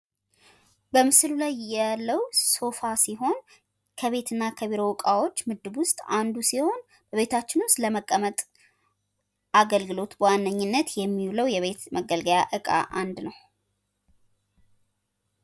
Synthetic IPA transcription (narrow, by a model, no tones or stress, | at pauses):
bəmɨsɨlulajːalːəwso̞fasiɦo̞n | kʰəβe̞t̪ʰɨnːakʰəβiɾo̞wkʼawo̞t͡ʃːmɨd̪ːɨbwʊst̪ʼand̪usiho̞n | b̥əβe̞t̪ʰat͡ʃːɪnwʊst̪ʼləməkʼːəmət̪ʼ | aɡəlɡɨlo̞t̪bwanːəɲːɪnːət̪jɛmːiuləwjɛβe̞t̪məɡəlɡəjaʔɨkʼa̰ʔand̪nəw